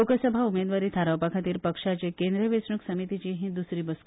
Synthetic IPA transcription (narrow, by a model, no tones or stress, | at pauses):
okəsəbʱaumed̪ʋaɾiːt̪ʰaɾawpakʰat̪iːɾpəkʂat͡ɕekend̪ɾəʋesɳuksəmit̪it͡ɕiːɦĩd̪usɾiːbəs